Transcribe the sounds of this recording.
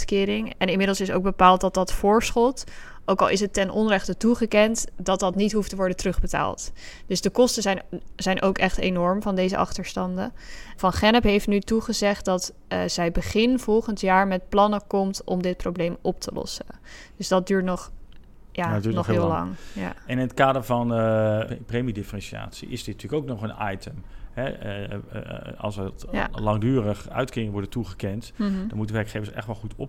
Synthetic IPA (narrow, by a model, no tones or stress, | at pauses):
tkɪːɾɪŋɛnɪnmɪdəlˠsɪso̰wɡ̚bəpaːlˠt̚dɑt̚dɑtfʊːɹsχɔlˠt | ʔowkɑlˠɪs̬ɦətːɛnʔɔnrɛχtətuχəkɛntdɑt̚dɑtnitɦuftəʋɔɹdəntrɵχbəta̰ːlˠtd̥ɵsdəkɔstəzɛjnzɛjnʔowkɛχtenɔɹmvɑndejzə̰ʔɑ̰χtəɹstɑndəvɑnχɛnəpɦejftnytuχəzɛχt̚dɑtː | zɛjbəχɪnv̥ɔlˠχəntjaːɹmɛt̚plɑnəkɔmtɔ̰mdɪt̚prowblejmɔp̚tʰəlɔ̰səd̥øsdɑt̚dyːɹtnɔχ | jaːdyːnɔχllɑ̰ŋja̰ɛnɪnət̚kaːdəɹvɑn | prejmidɪfərɛnsia̰ːtsḭʔɪ̰zdɪtntyːləkowknɔχənɑjtəmɛ | ɑ̰lˠsəja̰lɑŋdyːɾəχœ̰ɥtkɪːɪŋəʋɔɹdətuχəkɛntd̥ɔnmutənʋɛɹkχejvəsɛ̰χtʋɛlˠχutɔp